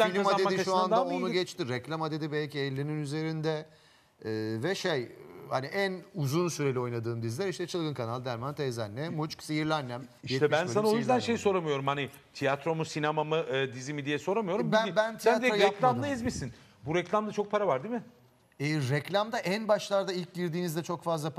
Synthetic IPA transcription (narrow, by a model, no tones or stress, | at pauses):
ilʲimaaemadiʃuand̪aonuɡɛt͡ʃt̪iɾɛclʲamad̪e̞d̪ibɛlʲciɛlʲːininyze̞ɾind̪ɛː | vɛʃejhaniʔænuzunsyɾelʲio̞jnad̪ɯːmd̪izlʲæɾiʃt̪ɛt͡ʃʰɯlˠɡɯnkʰanalˠd̪æɾmant̪ʰɛzanːɛmut͡ʃksijiɾlʲænːæmijʃɛt̪ɛmbænsanaojyzd̪ænʃe̞jso̞ɾamɯjo̞ɾumhani | t̪ʰijat̪ɾo̞musinamamɯʔɯd̪izimid̪ijɛso̞ɾamɯjo̞ɾumbænbænt̪ʰiat̪d̪iɾojaɛklʲamlˠaizmisin | buɾɛclʲamd̪at͡ʃʰo̞k̚pʰaɾavaɾd̪imɪ | ɛɾɛclʲamd̪aʔænbaʃlˠaɾd̪ailʲc̚ɟiɾd̪iːnizd̪ɛt͡ʃʰo̞kfazlˠa